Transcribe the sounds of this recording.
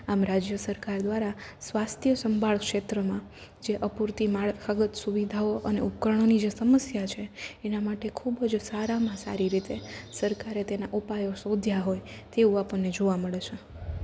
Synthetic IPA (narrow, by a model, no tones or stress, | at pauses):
amɾad͡ʒjəsəɾkaɾd̪ʋaɾasʋast̪ʰjəsəmbʱaɭkʃet̪ɾəmãd͡ʒeʔəpuɾt̪imaɭkʰaɡət̪suʋid̪ʱaoʔəneup̚kəɾɳ̃onid͡ʒesəməsjat͡ʃʰeːnamaʈekʰubəd͡ʒsaɾamãsa̰ɾiɾit̪esəɾkaɾet̪enaʔupajosod̪ʱjaɦojt̪eũapəɳːed͡ʒoʋaməɭet͡ʃʰe